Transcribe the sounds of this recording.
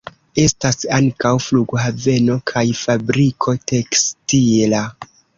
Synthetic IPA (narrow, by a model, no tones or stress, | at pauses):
e̞stasaŋkawfluɡhave̞no̞kʰajfabɾikʰo̞te̞kstila